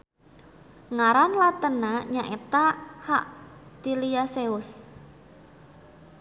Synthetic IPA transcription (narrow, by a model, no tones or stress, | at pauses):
ŋaɾanlat̪ənaɲaʔet̪aha̰ʔd̪̥iliaseʊs